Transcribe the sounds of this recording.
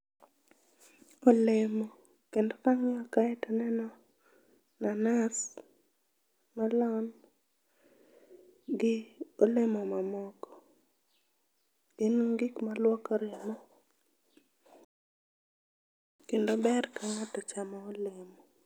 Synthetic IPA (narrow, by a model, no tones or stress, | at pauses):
olemo | kendokaŋɪɔkaɛtɔnɛnɔ | nanas | malɔn | ɡɪolemɔmamɔkɔ | ɪnɡɪkmalwɔkaɾɪmɔ | kendobɛrkaŋatɔt͡ʃamɔolemɔ